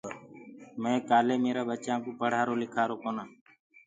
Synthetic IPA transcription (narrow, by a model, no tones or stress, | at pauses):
mɛ̃ːkaːleːmeːɾaːbət͡ʃãːkõːpəɽ̤aːɾoːlɪkʰaːɾoːkoːnãː